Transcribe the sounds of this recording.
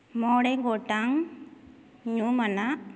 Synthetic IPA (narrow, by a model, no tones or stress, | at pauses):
moːɽeŋɡoːʈːaŋ | ɲuːmɐna